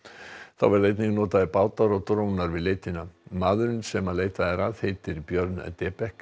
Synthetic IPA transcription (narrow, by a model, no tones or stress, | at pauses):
θawvɛɾleːjt̪niŋknɔːt̪aðɪpaːwt̪aɾɔt̪ɾoːwnaɾvɪðleːjt̪ɪnamaːðʏɾʏnsɛmaleːjt̪aðɪɾaðhejt̪ɪɾipjœɾt̪nɛ̰t̪ɛːpɛhk